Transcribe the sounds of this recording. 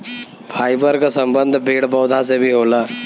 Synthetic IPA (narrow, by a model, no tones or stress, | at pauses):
pʰaːibəɾkasə̃mbə̃nd̪ʱbeːɽbɔːd̪ʱasebʱiɦoːlaː